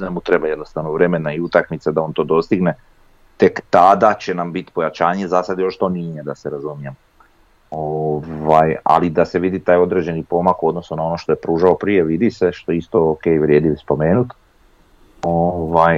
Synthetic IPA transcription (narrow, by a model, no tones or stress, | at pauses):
namut̪ɾe̞bajed̪nost̪aʋnoʋɾe̞me̞naiut̪akmit̪sed̪aont̪o̞ːd̪o̞st̪iɡne̞ | t̪e̞kt̪ad̪at͡ɕe̞nambit̪i̥po̞jat͡ɕaːɲe̞zasad̪jo̞ʃt̪o̞nijed̪ase̞ɾazumije̞m | oʋaja̰lid̪ase̞ʋid̪it̪aːjo̞d̪ɾe̞d͡ʑe̞nipo̞makuo̞d̪no̞sunao̞no̞ʃt̪o̞jepɾuːʒao̞pɾije̞ʋid̪ise̞ʃt̪oist̪o̞oke̞ːjʋɾje̞ːd̪iʋspo̞me̞ːnut̪ | oʋaj